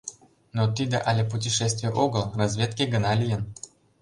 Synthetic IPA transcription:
not̪id̪ə̰ʔalʲepʊtʲɪʂɛsʲt̪vʲɪjəʔoɡəlˠrɐzʲvʲet̪kʲeɡənalʲijən

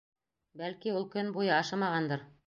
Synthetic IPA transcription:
bælkiulˠkɵnbujɤɑʃɑmɑʁɑnd̪ɤɾ

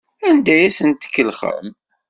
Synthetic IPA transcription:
ænd̪æjæsənt̪ə̥kːəlχə̰m

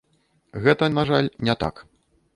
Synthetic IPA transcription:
ɣɛt̪ɐnaʐalʲnʲɛt̪a̰k

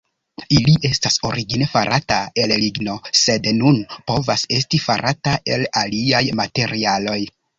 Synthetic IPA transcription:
iliʔe̞staso̞̰ɾiɡinefaɾʔatae̞lliɡno̞se̞dnunpo̞vase̞stifa̰ɾʔataʔe̞laliajmate̞ɾʔialo̞j

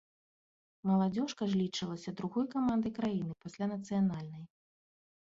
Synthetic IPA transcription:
mɐlˠad͡zʲɔʂkɐʐlʲit͡ʂɨlˠɐsʲɐd̪ɾuɣɔjkamand̪ɨjkɾajin̪ɨpasʲlʲanɐt̪sɨjanalʲnɐj

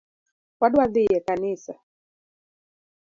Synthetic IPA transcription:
waɗaðiɛkanisa

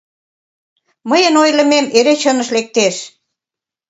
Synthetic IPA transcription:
məjənojlə̆memeɾet͡ɕənəʃlek̚t̪eʃ

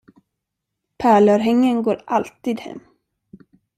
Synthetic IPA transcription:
pʰæːɭœɾɦɛŋjənɡo̰ːɾʔalt̪iːd̪hɛ̰mː

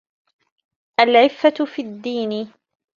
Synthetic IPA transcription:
ʔalʕɪfːafiːad̪ːiːnɪ

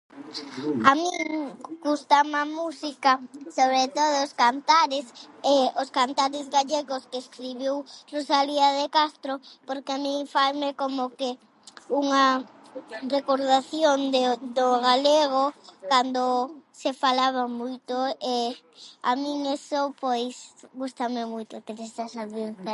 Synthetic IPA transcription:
amĩŋɡust̪amamusikasoβɾet̪oð̞ooskant̪aɾɪseoskant̪aɾɪzɣaʎeɣoskeeskɾiβiwrosaliaðekast̪ɾopoɾkeamĩŋfajmekomoke | uŋa | rekoɾðaθjond̪ed̪oɣaleɣokand̪osefalaβamujt̪oe | a̰mĩŋesopojsɣust̪amemujt̪okeɾesasaβeɾt̪a

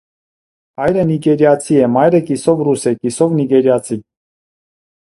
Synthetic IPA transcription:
ɑjɾəniɡɛɾjɑt͡sʰiɛmɑjɾəkisɔvrusɛkisɔvniɡɛɾjɑt͡sʰi

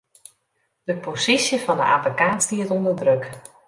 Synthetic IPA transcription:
d̥əposisjəfɑndə̰ʔapikaːstiətɔndərdrøk

